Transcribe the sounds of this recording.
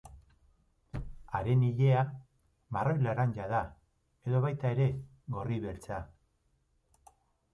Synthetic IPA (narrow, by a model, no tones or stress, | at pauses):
aɾe̞niʎe̞a | marojlaɾanɟaða | e̞ðo̞βajt̪ae̞ɾe̞ | ɣo̞riβe̞lt͡sa